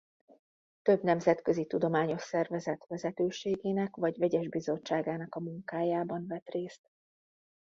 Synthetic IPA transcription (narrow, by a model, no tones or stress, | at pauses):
t̪ø̞bnɛmzɛt̪kø̞zit̪ud̪o̞maːɲo̞ʃsɛrvɛzɛt̪vɛzɛt̪øːʃeːɡeːnɛkʋɒɟvɛɟɛʒbizo̞t͡ʃːaːɡaːnɒkɒmuŋkaːjaːbɒnvɛt̪reːst̪